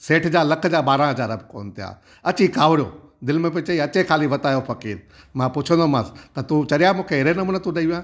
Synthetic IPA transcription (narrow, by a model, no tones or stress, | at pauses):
seːʈʰd͡ʑaːlɐkʰd͡ʑaːɓaːɾãɦɐd͡ʑaːɾɐbɪko̰ːnt̪ʰija̰ː | ɐt͡ɕikaːʋɽijoːd̪ɪlmẽp̬ẽt͡ɕɐiɐt͡ɕekʰaːliʋɐt̪aːjofɐkiːɾ | mãpʊt͡ɕʰə̃nd̪omãːst̪ɐt̪ũt͡ɕɐɗijamũːkʰeɦɪɾenɐmuːnət̪ũɗɐiʋijãː